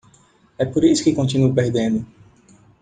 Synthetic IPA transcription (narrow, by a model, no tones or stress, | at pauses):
ɛpoɾisʊ̥kɪkõnt̪inupeɾd̪ẽnd̪ʊ